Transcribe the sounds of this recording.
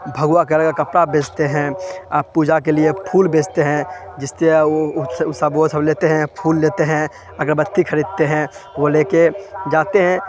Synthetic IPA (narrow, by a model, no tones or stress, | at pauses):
bʱəɡʊwakeləɡakɐpɽabʱeːd͡ʒt̪eɦɛ̃puːd͡ʒak̬eliepʰuːlbʱeːd͡ʒt̪eɦɛ̃d͡ʒɪst̪e | ʊsaboːsəbleːt̪eɦɛ̃pʰuːlːeːt̪eɦɛ̃ | ɐɡəɾbət̪ʰːikʰəɾiːd̪̚t̪eɦɛ̃ʋoleːked͡ʒaːt̪eɦɛ̃